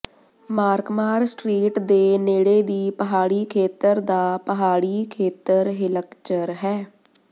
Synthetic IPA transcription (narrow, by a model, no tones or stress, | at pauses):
maːɾkmaːɾsʈɾiːʈd̪eːneːɽeːd̪iːpəɦaːɽiːkʰeːt̪əɾd̪aːpəɦaːɽiːkʰeːt̪əɾɦɪləkt͡ʃəɾɦɛː